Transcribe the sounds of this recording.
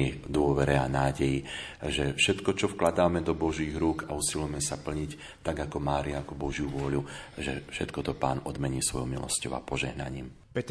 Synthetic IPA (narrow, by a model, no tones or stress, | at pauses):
ɛd̪ʊɔʋɛɾɛanaːɟɛjiʒɛfʃɛt̪kɔt͡ʃɔfklad̪aːmɛd̪ɔbɔʒiːɣɾuːkausilujmɛsapl̩ɲic | t̪aɡakɔmaːɾiaakɔbɔʒjuʋʊɔʎuʒɛfʃɛt̪kɔt̪ɔpa̰ːnɔd̪mɛɲiːsʋɔ̰jɔmilɔ̰scɔʊa̰pɔʒɛɦna̰ɲḭːm | pɛt̪